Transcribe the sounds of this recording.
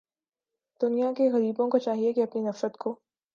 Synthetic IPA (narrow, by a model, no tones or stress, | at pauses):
d̪̥ʊnijakeɣɐɾiːbõkot͡ʃaːɦiekeɐpninɐfɾət̪kʰo